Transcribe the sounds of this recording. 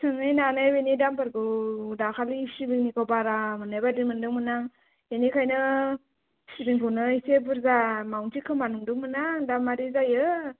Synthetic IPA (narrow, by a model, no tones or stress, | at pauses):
sʰɯŋɯjnanɯjwenidampʰaɾɡɯdakʰalisibiŋnikʰɔbaɾamɯnajbadimɯndɯŋmɯnaŋ | enikʰajnɯ | sibiŋkʰɯwnɯisebɯɾzamawŋtʰikʰɯmanuŋdɯŋmɯnaŋdamːaɾizajɯ